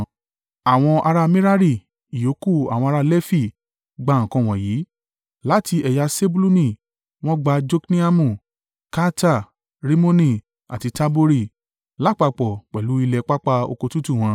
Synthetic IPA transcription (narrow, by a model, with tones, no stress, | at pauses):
a˨w̃ɔ̃˧ʔa˧ɾa˧mĩ˦ɾa˦ɾi˦˨ | i˨jo˨˦ku˦˨a̰˨w̃ɔ̃˧a˧ɾa˧lɛ˦fi˦˨ | ɡ͡ba˧˨ŋ̩˨kɔ̃˧w̃ɔ̃˨jiː˨˦ | la˦ti˧ɛ˨ja˧se˦bu˦lu˦nĩ˦˨ | w̃ɔ̃˦ɡ͡ba˧d͡ʒo˦knĩ˦a˦mũ˨ | ka˦ta˦˨ | ɾi˦mo˦nĩ˦˨ | a̰˨ti˧ta˦bo˦ɾi˦˨ | la˦˨k͡pa˧k͡pɔ˨k͡pɛ˨lu˨˦i˧lɛ˧k͡pa˦k͡pa˧o̰˧ko˧tu˦tu˦˨w̃ɔ̃˧˦